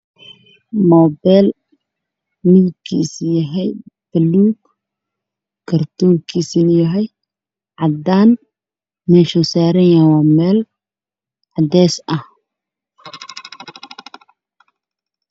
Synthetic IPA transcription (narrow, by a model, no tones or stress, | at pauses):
mɔːbɛl | mɪnkʰiːsjɐɦɛjb̥ɐluːɡ | kʰɐrt̪ʰuːkʰiːsinjɐɦɛj | ʕɑd̪aːn | mɛːʃusaːɾɛjɐwaːmɛːl | ʕɑd̪ɛːsɐh